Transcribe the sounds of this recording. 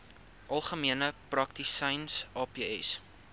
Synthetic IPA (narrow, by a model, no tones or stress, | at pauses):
ʔɐlˠχəmiənəprɐk̚tisɐjnsɑːpiːɛ̰s